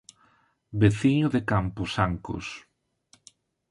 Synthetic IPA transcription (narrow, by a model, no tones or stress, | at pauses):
beθiɲʊðekampʊsaŋkʊ̰s